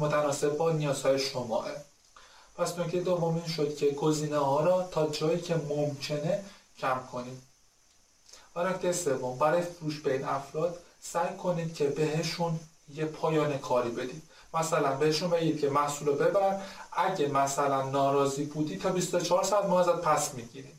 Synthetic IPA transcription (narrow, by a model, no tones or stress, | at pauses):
mot̪ʰænɒːse̞b̚bɒːnijɒːz̥hɒːjeʃomɒ̰ːʔe | pʰæsnocʰt̪ejed̪o̞vːo̞miːnʃo̞d̪̥cʰe̞ɡoziːnehɒːɾɒːt̪ʰɒːd͡ʒɒːjiːcʰe̞momcʰe̞ne̞d͡ʒæmkʰo̞niːd̪̥ | vænocʰt̪ʰe̞jese̞vːo̞mbæɾɒːjefuɾuːʃbe̞iːnæfɾɒːt̪sæjkʰo̞niːd̪̥cʰebe̞ɦeʃun | jepʰɒːjɒːnekʰɒːɾibe̞d̪iːd̪̥ | mæsælænbe̞heʃunbe̞ɟiːd̪̚cʰe̞mæhsuːlobe̞bæɾæd̪æɟemæsælænːɒːɾɒːziːbuːd̪iːt̪ʰɒːbist̪o̞t͡ʃʰɒːɾsæd̪mɒːhæzæd̪̥̚pʰæsmiɟiɾim